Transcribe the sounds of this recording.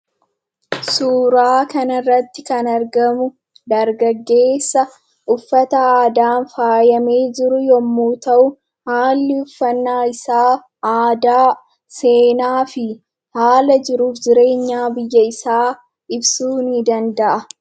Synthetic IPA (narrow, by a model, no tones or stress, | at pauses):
suːɾaːkɐnɐrːɐt̪ːɪkɐnɐɾɡɐmʊ | d̪ɐɾɡɐɡːe̞ːsːɐ | ʔʊfːɐt̪ɐaːd̪aːnfaːjɐme̞ːd͡ʒɪɾʊjɔmːuːt̪ɐʔʊ | haːlːɪʊfːɐnːaːɪsaː | aːd̪aː | se̞ːnaːfɪ | haːlɐd͡ʒɪɾuːfd͡ʒɪɾe̞ːɲːaːbɪjːɐɪsaː | ɪbsuːnɪd̪ɐnd̪ɐʔɐ